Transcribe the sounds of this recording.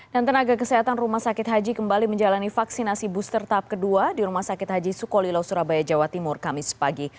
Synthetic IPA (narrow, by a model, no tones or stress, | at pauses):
dant̪ənaɡakəsəɦat̪anrumahsakɪt̪ɦad͡ʒikəmbaliməɲd͡ʒalanifaksinasibust̪ərt̪ap̚kəduadiɾumahsakɪt̪̚ɦad͡ʒisukɔlilawsuɾabajad͡ʒawat̪imʊrkamɪspaɡi